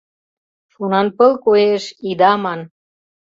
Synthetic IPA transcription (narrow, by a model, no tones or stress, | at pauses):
ʃunɑnpə̆lkoeʃid̪ɑmɑn